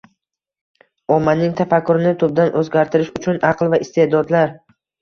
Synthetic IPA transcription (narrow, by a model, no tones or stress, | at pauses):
ɒmːanɪŋt̪ʰafakʰːʊɾɪnɪt̪ʰʊb̚d̪anʔɵzɡʲaɾt̪ʰɪɾɪʃʊt͡ʃʰʊnʔɑqlˠvaɪst̪e̞d̪ɒd̪laɾ